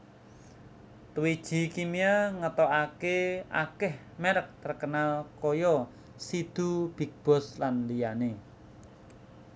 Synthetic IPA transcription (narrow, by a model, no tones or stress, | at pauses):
t̪uwid̥ʒ̥i̤kimiaŋət̪ɔʔakea̰kɪh | meɾək̚t̪ərkənalkɔjɔ | sid̪̥ṳb̥i̤k̚b̥ɔ̤slanlijane